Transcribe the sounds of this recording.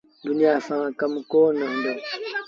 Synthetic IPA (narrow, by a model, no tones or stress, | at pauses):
duniafaŋakamkɔnandə